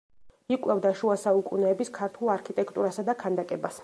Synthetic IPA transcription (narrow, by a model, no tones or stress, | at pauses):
ikʼwɛvd̪aʃuasaukʼunɛːbiskʰaɾt̪ʰulˠaɾkʰit̪ʼɛkʰt̪ʼuɾasad̪akʰand̪akʼɛbas